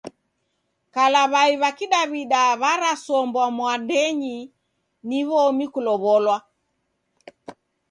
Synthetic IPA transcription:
kalaβaiβakiɗaβiɗaβaɾasɔmbwamwandɛɲi | niβɔmikulɔβɔlwa

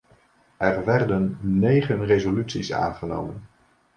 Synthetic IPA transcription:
ɛrʋɛrdənːejχənrezolytsisa̰ːnχəno̰wmən

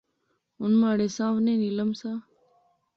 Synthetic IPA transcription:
ʊnmaːɽeːsãːʋnẽːniləmsãː

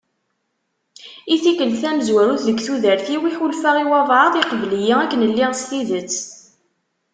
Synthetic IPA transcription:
iθikəlθæməzwæɾuθðəɡθuðəɾθiwiħulfaʁiwɑðˤʕəðˤiqvlijiækːənəlːiʁstiðət͡sː

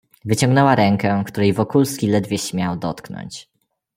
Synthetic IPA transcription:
vɘt͡ɕɔ̃ŋɡnɛwaɾɛŋkɛkt̪uɾɛjvɔkulskʲilɛd̪vʲjɛɕmʲjawd̪ɔ̰t̪knɔ̰ɲt͡ɕ

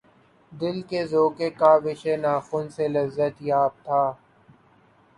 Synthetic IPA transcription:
d̪ɪlkezoːkekaʋɪʃenaːxʊnselɐzːət̪jaːb̚t̪ʰaː

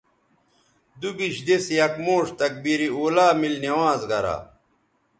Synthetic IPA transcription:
d̪ubiɕd̪esjɐkmoːʂt̪ɐk̚biɾioːlaːmilnɐwãːzɡɐɾa̰

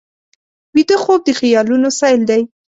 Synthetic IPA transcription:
wid̪əxob̚d̪əxɪjɑlunosɑjld̪aj

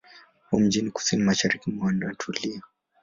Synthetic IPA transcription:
hum̩d͡ʒiniku̥sinimaʃaɾikimwandatʰuliɔ

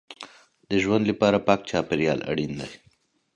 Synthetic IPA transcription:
d̪əʒwand̪lipɑːɾapɑːk̚t͡ʃɑːpɪɾjɑ̰ːla̰ɽind̪aj

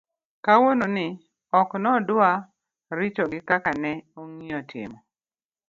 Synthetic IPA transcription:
kawononɪ | ɔknɔdʊa | ɾɪt͡ʃɔɡɪkakanɛoŋiɔtʰɪ̰mɔ

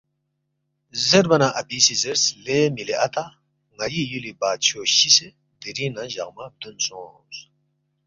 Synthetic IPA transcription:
zeɾbɐnaʔɐbisizeɾslemileɐt̪ʰa | ŋɐjijulibaːt̪t͡ɕʰoːɕise | d̪iɾinaʑɐ̰ɣmab̚d̪unsõː | s

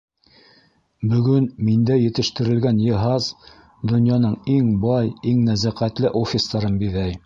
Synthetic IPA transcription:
bɵ̆ɡɵnmind̪æjɘ̆t̪ɘ̆ʃt̪ɘ̆ɾɘ̆lɡænjɤ̆ɦɑz | d̪ŏnjɑnɤɴiŋbɑjiŋnæzæqæt̪lɘʔofʲɪst̪ɑɾɤmbiðæj

